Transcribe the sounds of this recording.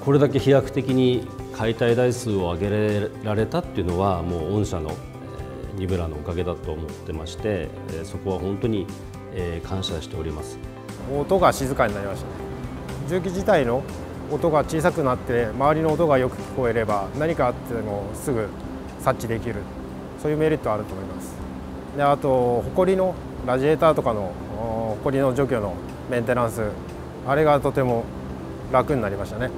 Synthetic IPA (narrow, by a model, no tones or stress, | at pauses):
ko̞ɾe̞d̪ak̬e̞çijakɯ̟̥t̪e̞kʲiɲ̟i | kʰait̪aid̪aisɨːo̞aɡe̞ɾeɾaɾe̞t̪at̪ːe̞iɯ̟no̞βamo̞ːõɰ̃ɕano̞̰ | ɲ̟ibɯ̟ɾano̞ːkaɡe̞d̪at̪o̞ːmo̞t̪ːe̞maɕi̥t̪e̞ | so̞ko̞β̞aɦõ̞nt̪o̞ɲ̟i | kʰãɰ̃ɕaɕi̥t̪e̞o̞ɾʲimasɨ̥ | ot̪o̞ɡaɕizɨkaɲ̟inaɾimaɕt̪ane | d͡ʑɨːk̬ʲiʑit̪aino̞ː | t̪o̞ɡat͡ɕiːs̬akɯ̟nat̪ːe̞maβaɾʲino̞ːt̪o̞ɡajo̞kɯ̟̥kʲi̥ko̞e̞ɾe̞banaɲ̟ikaːt̪ːemo̞sɨɡɯ̟ | sat͡ɕːid̪ekʲiɾɯ̟ | soːjɯːme̞ɾʲit̪ːoaːɾɯ̟t̪o̞ːmo̞imasɨ̥ | d̪e̞at̪o̞ho̞ko̞ɾʲino̞ | ɾaʑie̞ːt̪aːt̪o̞kano̞ | hoko̞ɾʲino̞d͡ʑo̞ːkʲo̞ːno̞ | mẽ̞nt̪e̞ɾãɰ̃sɨ | aɾe̞ɡat̪o̞t̪e̞mo̞ | ɾakɯ̟ɲinaɾʲimaɕi̥t̪ane̞